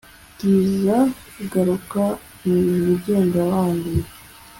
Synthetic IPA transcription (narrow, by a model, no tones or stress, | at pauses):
tiːza | ɡaɾuka | nuɾuɟe̞ːndawaːndi